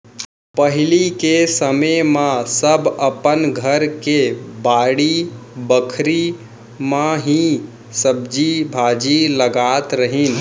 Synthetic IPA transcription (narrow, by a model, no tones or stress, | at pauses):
pəɦɪlikesəmemãsəbəpənɡʱəɾkebaːɽibəkʰɾi | mãɦĩ | səb̚d͡ʒibʱaːd͡ʒiləɡaːt̪ɾəɦin